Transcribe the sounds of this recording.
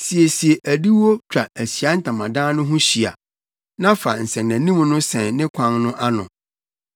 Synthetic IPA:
si˨e˨si˨e˨ʔæ˨di˦wo˦t͡ɕᶣa˨æ˨ɕi˨a˦n̩˦tʰã˨mã˨dãː˦nʊ̃˦ɦʊ̃˦ɕi˨a̰˨ | nã˦fa˨n̩˨sɛ̃˨næ̃˨nĩ˦m˦nʊ̃˦sɛ̃˨nnɪ̃˦kʷʰã˦ŋnʊ̃˦ʔa˦nʊ̃˨

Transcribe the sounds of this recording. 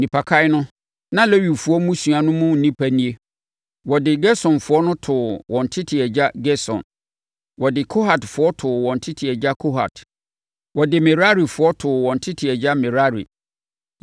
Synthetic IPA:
nĩ˨pʰa˨kʰa˦ɪ˦nʊ̃˦ | nã˦le˦ɥi˨fʊ˨˦ɔ˦mũ˦su˨a˨nʊ̃˦mũ˦n̩˨nĩ˦pʰæ˦nĩ˦e˦ | wɔ˨dɪ˨ɡɛ˦sɔ̃˨nfʊ˨˦ɔ˦nʊ̃˦tʰʊ˨wɔ̃˨n˨tʰɪ˦tʰɪ˨ɛ˨d͡ʑa˦ɡɛ˦sɔ̰̃˨n | wɔ˨dɪ˨kʰo˦ɦa˨tfʊ˨ɔ˦tʰʊ˨wɔ̃˨n̩˨tʰɪ˦tʰɪ˨ɛ˨d͡ʑa˦kʰo˦ɦa̰˨t | wɔ˨dɪ˨mɛ˨ɾa˦ɾi˨fʊ˨ɔ˦tʰʊ˨wɔ̃˨n̩˨tʰɪ˦tʰɪ˨ɛ˨d͡ʑa˦mɛ˨ɾa˦ɾḭ˨

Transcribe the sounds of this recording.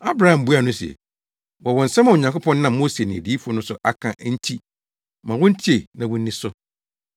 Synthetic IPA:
a˦bɾa˦hã˨m̩˨bu˦a˨nʊ̃˦si˨ɛ̰˨ | wɔ˨wɔ̃˨n̩˨sɛ˦mã˨o˨ɲã˨kʰʊ˦pʰɔ̃˦nː˦ã˦˨m˦mo˦se˨nɪ̃˨di˨˦fɔ˦nʊ̃˦sʊ˨ʔa˦kʰã˨ʔn̩˦tʰi˦ | mã˨wʊ̃˦n̩˦tʰi˦e˨nã˨wʊ̃˦n̩ː˦ɪ̃˦sʊ˦

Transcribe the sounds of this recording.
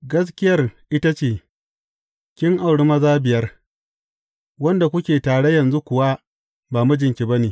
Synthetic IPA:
ɡɐ˦s̬kʲɪ˦jɐ˦rʔɪ˦ta˦t͡ʃeː˨ | kʲɪ˦ŋʔa˨wɽɪ˦mɐ˦zaː˦bɪ˨jɐ˦r | wɐ˦nda˨kʷʊ˦kʲeː˨taː˨ɽe˦jɐ˨nzu˦kʷʊ˨wa˦ | baː˨mu˦d͡ʒɪ˨ŋkʲi˨ba˦neː˨

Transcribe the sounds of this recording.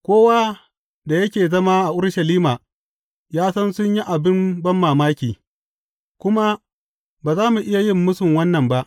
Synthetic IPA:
kʷoː˦waː˦ | da˨jɐ˦kʲeː˨zɐ˦ma˦ʔa˨ʔʊ˦ɽʃɐ˨liː˦maː˨ | jaː˦sɐ˦nsʊ˦ɲji˦ʔa˨bɪ˦mbɐ˦mːaː˨maː˦kʲiː˨ | kʷʊ˦ma˦ | baː˨zaː˦mu˨ʔɪ˦ja˨jɪ˦mːʊ˦sʊ˨ŋwɐ˦nːɐ˨mba˦ʔ

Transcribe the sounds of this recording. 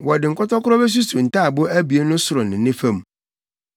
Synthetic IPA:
wɔ˨dɪ˨ŋ̩˨kʰɔ˦tɔ˦kʰʊ˦ɾɔ˦be˦s̬u˦su˨n̩˨ta˦˨bʊ˦æ˦bi˨e˦nʊ̃˦sʊ˨ɾɔ˨nɪ̃˨nɪ̃˦fɛ̃˦˨m˨

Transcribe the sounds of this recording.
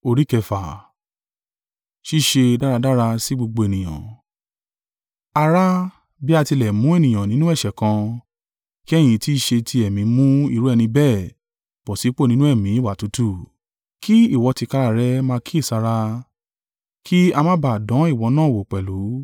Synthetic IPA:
o˧ɾi˦kɛ˧˨fa˨ | ʃi˦i˦˨ʃe˧da˦ɾa˧da˦ɾa˧si˦ɡ͡bo˧ɡ͡bo˧e˨nĩ˨j̃ã̰˨ | a˧ɾa˦ | bi˦a˧ti˧lɛ˨mũ˨˦e˦˨nĩ˨j̃ã˨nĩ˨˦nũ˦ɛ˦˨ʃɛ˨kã˧ | ki˦ɛ˦˨j̃ĩ˨˧ti˦i˦˧ʃe˧tʰi˧ɛ˨mĩ˨˦mũ˦ḭ˦˧˨ɾu˦ɛ˧nĩ˧bɛ˦˨ | b̥ɔ˨si˨˦k͡po˦˨nĩ˨˦nũ˦ɛ˦˨mĩ˨˦i˦˨wa˨tu˨˦tu˦˨ | ki˦i˦˨wɔ˨˧ti˧ka˦˧ɾa˧˨ɾɛ˦mãː˦˧ki˦i˦˨sa˧ɾa˧ | kʰi˦a˧mã˦ba˨dɔ̃˨˦i˦˨wɔ˧˦nãː˦˨wo˨k͡pɛ˨lu˨˦

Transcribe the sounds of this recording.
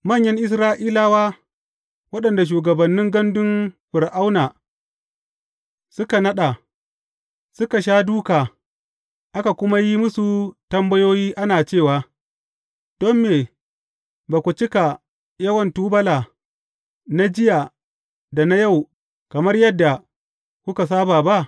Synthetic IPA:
mɐ˦˨ɲjɐ˦ŋʔɪ˦s̬ɾaː˦ʔiː˦laː˨waː˦ | wɐ˦ɗɐ˨nda˨ʃ̬uː˨ɡɐ˨bɐ˨nːɪ˦ŋɡɐ˦ndʊ˦nɸɪ˨ɾʔa˦wnaː˨ | sʊ˦ka˨nɐ˦ɗa˨ | sʊ˦ka˨ʃ̬aː˦duː˦kaː˨ | ʔa˦ka˨kʷʊ˦ma˦ji˦mʊ˦su˨tɐ˦mbɐ˦joː˦jiː˦ʔa˦naː˨t͡ʃeː˦˨waː˨ | d̥ɔ˦mːeː˨ | baː˨kʷu˨t͡ʃɪ˦ka˨ | jɐ˦wɐ˨ntuː˦bɐ˦laː˨ | na˦d͡ʒɪ˦ja˨ | da˨na˦ja˦˨w | kɐ˨mɐ˦rjɐ˦dːa˨ | kʷʊ˦ka˨s̬aː˦baː˨ba˦ʔ

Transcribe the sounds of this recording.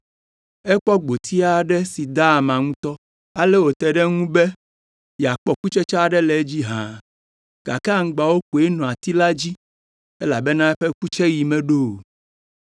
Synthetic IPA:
ɛ˦k͡pɔ˦ɡ͡bo˨t̪ʰi˦a˦ɖɛ˦si˨d̪a˦˨mã˨ŋũ˦t̪ɔ˦ | a˨lɛ˦wo˨t̪ɛ˨ɖɛ˦ŋũ˦be˦ | ja˨k͡pɔ˦ku˦t͡ʃɛ˦t͡ʃa˦˨ɖɛ˦lɛ˨e˦d͡ʑi˦ɦã˨ | ɡ̥a˨ka˦˨ŋ̩̃˦ɡ͡ba˨wo˦k͡po˨e˦nɔ̃˨a˨t̪i˦la˦d͡ʑi˦ | ɛ˦la˨bɛ˦nã˦ɛ˦ɸɛ˦ku˦t͡ʃɛ˦ji˨mɛ̃˨ɖo˦˨

